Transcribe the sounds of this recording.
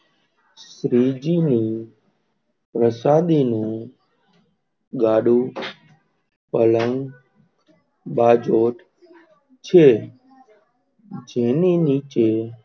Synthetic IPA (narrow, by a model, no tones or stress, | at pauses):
sɾiːd͡ʒiːniː | pɾəsaːd̪iːnũː | ɠaːɽuː | pələŋɡ | ɓaːd͡ʒoːʈ | t͡ʃʰeː | d͡ʒeːniːniːt͡ʃeː